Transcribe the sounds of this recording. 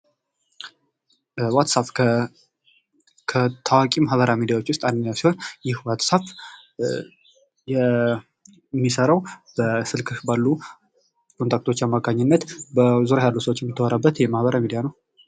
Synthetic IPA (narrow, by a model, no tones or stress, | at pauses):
wat̪sap | kʰət̪ʰawakʼimahbəɾamid̪ijawo̞t͡ʃːwʊst̪ʼandɨɲːjawsiho̞njɪhwat̪sap | jɛ | mːisəɾəwb̥əsɨlkʰɨʃbalːu | kʰo̞nt̪ʰak̚t̪ʰo̞t͡ʃːamːaɡaɲːɪnːət̪bəzuɾajalːusəwot͡ʃːjɛmːɨt̪ʰːəwoɾabːət̪jɛmahbəɾamid̪ijanəw